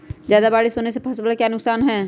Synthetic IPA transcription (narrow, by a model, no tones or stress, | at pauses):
d͡ʒjaːd̪abaːɽisoːnesepʰɐsblkjaːnʊksaːnɦɛː